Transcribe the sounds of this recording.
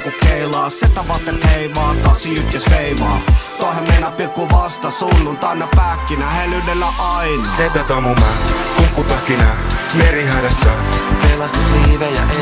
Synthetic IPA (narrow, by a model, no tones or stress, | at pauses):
kukeilɑːset̪ɑʋɑt̪ːet̪heiʋɑːt̪ɑsiyt̪jɑsʋeiʋɑːt̪ohemmenːɑpikːuʋɑst̪ɑsunːunt̪ɑnːɑpækːinæhelynelːæʔɑinɑset̪ːat̪omumækukːut̪ɑkːinameɾiɦadasːɑ | kelɑst̪usliːʋejɑ̰ʔe